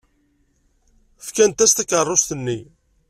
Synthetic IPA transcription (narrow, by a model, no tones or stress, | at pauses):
fkænt̪æst̪ækərˤːost̪ənːi